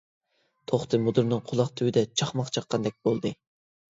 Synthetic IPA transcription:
t̪ʰoχt̪ʰɨmud̪uɾnɨŋqʰʊlˠɑχt̪ʰywɪd̪ɛt͡ʃʰɑχmɑqt͡ʃʰɑqːɑnd̪ɛk̚ʲbolˠd̪ɨ

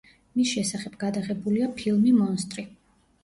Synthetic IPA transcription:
misʃɛsaχɛbɡad̪aʁɛbuliapʰilˠmimɔnst̪ʼɾi

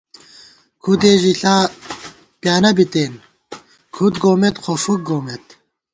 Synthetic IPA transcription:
kʰud̪eːʑiɬaː | pjaːnɐbit̪eːn | kʰut̪̚ɡoːmet̪xofuk̚ɡoːmet̪

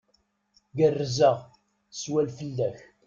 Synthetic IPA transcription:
ɡərːzəʁ | swælfəlːæç

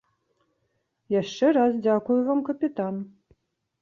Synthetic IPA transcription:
jaʂːɛɾasdʲakujʊvamkɐpʲit̪an

